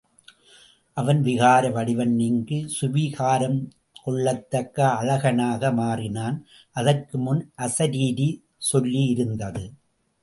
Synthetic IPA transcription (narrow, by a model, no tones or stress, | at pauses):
ʔɐʋɐnʋɪɣaːɾɐʋɐɽɪʋɐnːɪŋɡɯsʊʋiɣaːɾɐm | kɔɭːɐt̪ːɐkːɐːlɐɣɐnaːɣɐmaːrɪnaːn | ʔɐðɐrkɯmʊnʔɐsɐɾiːði | sɔlːiɪɾɯnd̪ɐðɯ